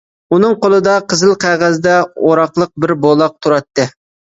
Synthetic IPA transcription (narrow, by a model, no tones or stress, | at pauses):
unɨŋqolˠɨd̪ɑqʰəzɨlˠqʰæʁæzd̪ɛoɾɑqlˠəq̚bɪɾbolˠɑq̚t̪ʰuɾɑt̪ːɨ